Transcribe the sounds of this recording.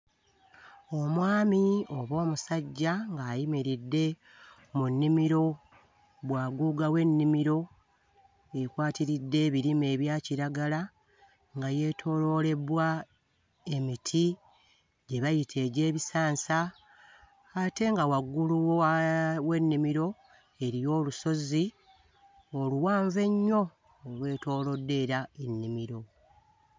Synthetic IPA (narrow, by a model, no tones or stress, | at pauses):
o̞mwaːmio̞βo̞ːmusaɟːaŋɡaːjimiɾidːe̞ | munːimiɾo̞ | βwaːɡuːɡawe̞nːimiɾo̞ | ekwaːtiɾidːe̞ːβiɾime̞ːβjaːciɾaɡala | ŋɡaje̞tʰo̞lo̞le̞bwa | e̞mitʰi | ɟe̞βajitʰe̞ːɟe̞ːβisaːnsa | te̞ŋɡawaɡːuluwowe̞nːimiɾo̞ | e̞ɾijo̞ːluso̞zi | o̞luwaːɱve̞ɲːo̞ | olwe̞ːto̞ːlo̞dːe̞ɾae̞nːimiɾo̞